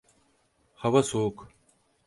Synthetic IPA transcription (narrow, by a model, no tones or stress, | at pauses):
xɐwɐsoːk